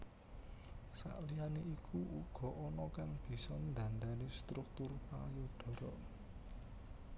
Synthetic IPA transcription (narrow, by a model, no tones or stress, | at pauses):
sa̰ʔlianeikʰuʔuɡ̥ɔ̤ʔɔnɔkaŋb̥i̤sɔmənd̪ä̤nd̪anest̪ɾuk̚t̪ʊrpa̰ajud̥ɔ̤ɾɔʔ